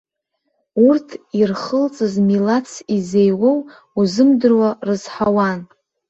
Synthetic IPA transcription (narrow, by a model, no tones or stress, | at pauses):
urtʰirχəlt͡sʼɨzmilat͡sʰizejwow | uzɨmdɨrwarɨz̥ħawan